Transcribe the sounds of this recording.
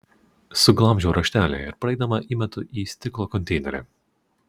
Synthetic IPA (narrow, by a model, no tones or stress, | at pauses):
suɡlˠamʒuɾɐʃt̪æːlʲɛ̰jɛɾpɾɛjd̪amaʔimat̪uʔist̪ɪklˠɔkɔnt̪ɛjnɛɾɛ̰